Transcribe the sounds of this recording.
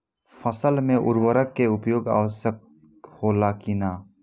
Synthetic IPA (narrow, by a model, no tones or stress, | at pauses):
fʰəsəlmẽʔʊ̰ɾwəɾəkːeʊpjoːɡa̰ːʋəsjək̚ | hoːlakinaː